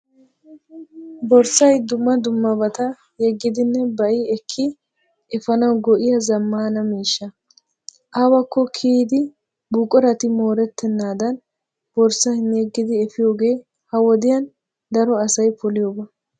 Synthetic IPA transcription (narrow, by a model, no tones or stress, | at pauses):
bɔɾsɐjd̪ʊmːɐd̪ʊmːɐbɐt̪ɐ | jɛɡːɪd̪ɪnːɛbɐʔɪɛkʰːɪ | ʔɪfɐnɐwɡɔʔɪjɐzɐmːaːnɐmiːʃːɐ | ʔaːwɐkːɔkʰiːd̪ɪ | buːkʼɔɾɐt̪ɪmo̞ːɾɛt̪ːɛnːaːd̪ɐn | b̥ɔɾsɐhnɛɡːɪd̪ɪɛfɪjo̞ːɡe̞ː | hɐwɔd̪ɪjɐn | d̪ɐɾɔɐsɐjpɔlɪjoːbɐ